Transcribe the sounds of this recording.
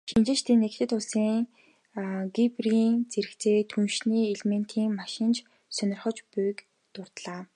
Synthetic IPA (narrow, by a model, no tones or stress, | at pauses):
ʃint͡ɕɪ̆t͡ɕt̪ʰeːnːekt̪ʰɘ̆t̪ʊɮsiːŋ | ɡipriːnt͡seɾɘ̆kt͡sʰeːt̪ʰunʃniːeɮmen̥t̪ʰiːŋmaʃɪ̆nt͡ɕ | sœnʲɪ̆rχə̆t͡ɕpujk | t̪ʊrt̪ɮaː